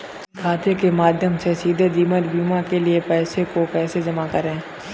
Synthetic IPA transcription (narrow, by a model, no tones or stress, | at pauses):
kʰaːt̪ekemaːd̪ʱjəmsesiːd̪ʱed̪iːməɾbiːmãkeliepɛːsekopɛːsed͡ʒɐmakɐɾẽː